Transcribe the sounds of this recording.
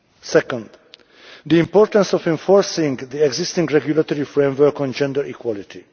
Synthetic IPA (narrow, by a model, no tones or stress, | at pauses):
sɛkɔ̃nd̪ | d̪iĩmpoɾt̪ə̃nsɔfɛ̃ɱfoɹsĩŋɡd̪iɛɡzist̪ĩŋɡɹɛɡjulat̪oɾifɹẽmvəɹkɔ̃nd͡ʒɛ̃nd̪əɾʔikwɔlit̪ʰi